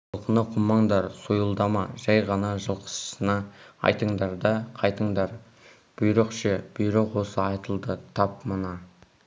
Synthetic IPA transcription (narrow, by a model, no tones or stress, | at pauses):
ɑlˠqənɑqʰʊmːɑɴd̪ɑɾsujəlˠd̪ɑmɑʒæjʁɑnɑʒəlˠqʰə̥ssənɑɑ̰jt̪əɴd̪ɑɾd̪ɑqʰɑjt̪əɴd̪ɑɾ | b̥ʊjɾəqʃeb̥ʏjɾɪqwo̞səɑjt̪əlˠd̪ət̪ʰɑpmənɑ